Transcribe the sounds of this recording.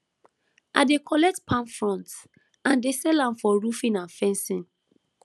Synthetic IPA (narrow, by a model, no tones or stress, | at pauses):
ʔa̰dekʰɔlɛtpʰãnfɹɔ̃nt | ãndesɛlãmfɔɹufĩnãnfɛ̃nsĩn